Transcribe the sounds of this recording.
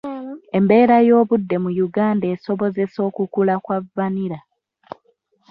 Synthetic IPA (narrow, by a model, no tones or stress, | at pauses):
e̞mbe̞ːɾajo̞ːβudːe̞mujuɡaːnde̞ːso̞βo̞ze̞so̞ːkukulakwavːaniɾa